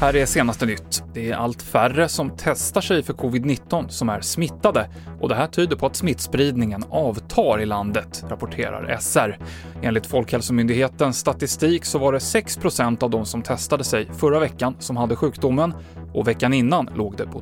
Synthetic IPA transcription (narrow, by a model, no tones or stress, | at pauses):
hæːɾɛʂeːnast̪ənʏt̪ːd̪̥ɛæɾʔa̰lt̪færəsɔmt̪ʰɛst̪aʂɛjfœɾkʰʊvɪd̪nɪt̪ːɔnsɔmæ̰ɾsmɪt̪ːad̪ə | ʔɔd̪ɛɦæːʈʰyːd̪əɾpʰɔat̪smɪt̪spɾiːd̪nɪŋənɑːvt̪ʰɑːɾɪland̪ət̪ɾapʊʈʰḛːɾa̰ɾɛ̰sæɾ | eːnlɪkt̪fɔlkhɛlsɔmʏnd̪ɪɡheːt̪ənsːt̪at̪ɪst̪iːksɔvaɖɛsɛkspʰɾʊsɛnt̪avd̪ɔmsɔmt̪ʰɛst̪ad̪əsɛjfœɾːavɛkːansɔmhad̪ːəɧʉ̟ːkd̪ʊmːən | ʔɔvɛkːanɪnːanlʔoːɡd̪ɛpʰɔ